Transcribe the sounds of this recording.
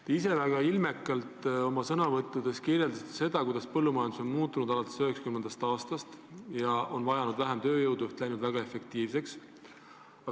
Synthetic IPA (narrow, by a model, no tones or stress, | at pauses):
t̪ise̞væɡ̥ɑilme̞kːˑɑlt̪ˑo̞mɑsɤnɑvɤt̪ːˑud̪̥e̞skirje̞ld̪ɑst̪e̥se̞d̪̥ɑkujd̪ɑspɤlːumɑjɑnd̪uso̞nmuːt̪ːˑunud̪ɑlɑt̪ːˑesøɦekskymːend̪̥ɑst̪ɑːst̪ɑst̪jɑʔo̞nvɑjɑnud̪væɦemt̪ø̞ːjɤwd̪uyht̪læjnud̪væɡ̥ɑe̞fe̞k̚t̪iːvse̞ks | ɑ